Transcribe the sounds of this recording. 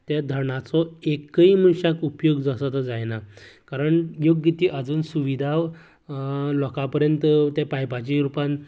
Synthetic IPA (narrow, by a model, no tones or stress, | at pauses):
t̪jad̪ʱəɾɳat͡sɔekəimunɕakupjoɡd͡zasət̪əd͡zajnakaɾəɳjoɡːit̪iːʔəd͡zuːnsuʋid̪ʱaʋ | lɔkapəɾjənt̪t̪japajpat͡ɕiɾupãn